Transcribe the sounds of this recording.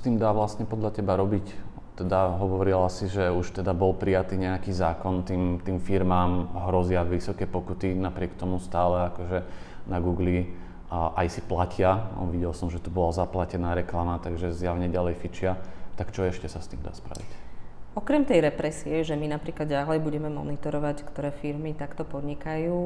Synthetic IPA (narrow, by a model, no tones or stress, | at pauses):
st̪iːmd̪aːʋlast̪ɲɛpɔd̪ʎatɛbaɾɔbic | t̪ɛd̪aɦɔʋɔɾilasiʒɛuʃt̪ɛd̪abɔlpɾijat̪iːɲɛakiːzaːkɔnt̪iːmt̪iːmfiɾmaːmɦɾɔzɪaʋisɔkɛːpɔkut̪inapɾɪɛkt̪ɔmust̪aːlɛakɔʒɛ | naɡuːɡli | ʔajsiplacɪaɔ̰ʋiɟɛlsɔmʒɛt̪ubɔlazaplacɛnaːɾɛklamat̪aɡʒɛzjaʋɲɛɟalɛjfit͡ʃɪat̪akt͡ʃɔɛʃcɛsast̪ḭːmd̪a̰ːspɾa̰ʋḭcɔkɾɛmt̪ɛjɾɛpɾɛsiɛʒɛminapɾiːklad̪ɟalɛjbuɟɛmɛmɔ̰nit̪ɔɾɔʋackt̪ɔɾɛːfiɾmit̪akt̪ɔpɔd̪ɲikajuː